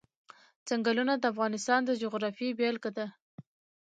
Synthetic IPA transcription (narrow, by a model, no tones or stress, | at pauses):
z̥aŋɡalunad̪əafɣɑnɪst̪ɑnd̪əd͡ʒʊɣɾɑfibelkad̪a